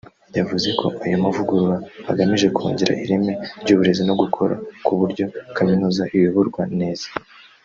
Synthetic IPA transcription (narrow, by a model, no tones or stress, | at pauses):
javuze̞kʰo̞̰ʔajomavuɡuɾwahaɡamiʒe̞kʰuːɲɟiɾa̰ʔiɾeme̞ɾɟuːβuɾe̞zino̞ɡukʰo̞ɾa̰kuβuɾɟo̞kaminuːzaʔiβiβuɾɡwane̞ːz̥ḁ